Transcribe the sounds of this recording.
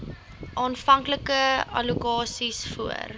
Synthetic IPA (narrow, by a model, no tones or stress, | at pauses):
ʔɑːnfɐŋkləkəɐ̰lukɑːsisfuə̰r